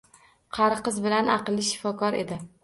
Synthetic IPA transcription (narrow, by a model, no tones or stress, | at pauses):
qʰɑɾqɨzbɪlanɑqɨlˠːɪʃɪ̥fɒkʰɒɾe̞̰d̪ɪ